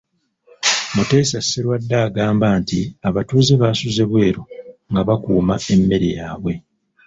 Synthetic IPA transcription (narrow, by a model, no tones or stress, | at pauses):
mute̞ːsasːeɾwadːaːɡaːmbaːntiaβatuːziβaːsuze̞βwe̞ːɾo̞ŋɡaβakuːmae̞mːe̞ɾḭjaːβwe̞